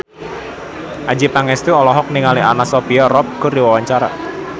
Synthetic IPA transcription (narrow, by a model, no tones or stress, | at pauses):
ʔad͡ʒipaŋɛst̪uɔlɔɦɔk̚niŋaliʔanasopiarɔp̚kṳrdiwawaɲt͡ʃaɾa̰